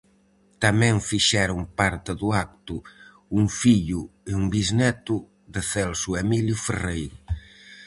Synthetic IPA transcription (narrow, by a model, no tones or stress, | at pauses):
t̪amɛ̃ŋfiʃɛɾʊŋpaɾt̪ɪðʊak̚t̪ʊ | uŋfiʎʊeuŋbiznɛt̪ʊ | ðeθɛlsuɛmiljʊferejɾ